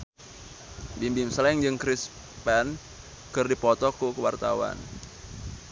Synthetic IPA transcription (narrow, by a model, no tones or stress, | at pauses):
bimbimslɛŋd͡ʒɨŋkɾis | pɛn | kɨrdipɔt̪ɔkukəwart̪a̰wa̰n